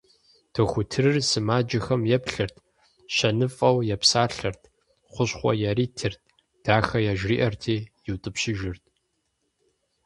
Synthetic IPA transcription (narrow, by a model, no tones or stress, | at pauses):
tʰɨxʷʊtʰɨɾɨrsɨmaːd͡ʒɐxɐmjɛpɬɨrtʰ | ɕɐnɨfʼɐwjɛpsaːɬɐrtʰ | χʷʊɕχʷɔ̰jaɾiːtʰɨrt̚ʰʼ | d̥aːxɐjaʒriːʔɐrtʰeːjɪwtʼɨpɕɪʒɪrtʰʼ